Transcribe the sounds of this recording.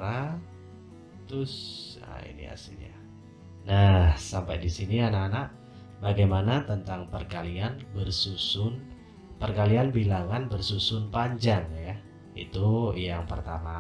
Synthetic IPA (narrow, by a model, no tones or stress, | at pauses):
a | t̪ʊsa̰ḭnḭa̰silɲa | nahsampajdisinianaanaʔ | baɡajmanat̪ənt̪aŋpərkalianbərsusʊn | pərkalianbilaŋanbərsusʊnpaɲd͡ʒaŋja | ḭt̪ujaŋpərt̪ama